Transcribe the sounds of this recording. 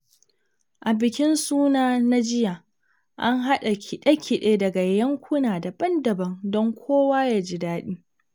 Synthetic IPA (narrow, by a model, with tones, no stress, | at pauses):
ʔa˨bɪ˨kʲɪ˦nsuː˦naː˦na˦d͡ʒɪ˦ja˨ | ʔa˦ŋɦa˦ɗa˨kʲʰɪ˨ɗe˦kʲʰɪ˨ɗeː˦dɐ˨ɡa˨jjɐ˦ŋkʷʊ˦naː˨da˨bɐ˦ndɐ˨bɐ˨ŋdɔ˦ŋkʷʰoː˦waː˦jaː˦d͡ʒɪ˦daː˦ɗiː˦